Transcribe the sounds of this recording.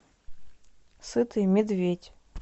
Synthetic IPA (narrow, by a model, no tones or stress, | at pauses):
sɨt̪ʰɨjmʲɪd̪vʲetʲ